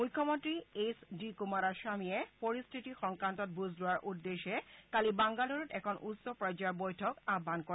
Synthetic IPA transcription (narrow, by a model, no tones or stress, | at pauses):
mujkʰːɔmɔntɹiesdikumaɹaʃamijɛpoɹistʰitixɔŋkɹantɔt̚buzdʊwaɹʔudːeʃɛkalibaŋɡaloɹɔtɛkʰɔnʔutsɔpɹɔd͡ʑaɹbojtʰɔkabʱːankɔ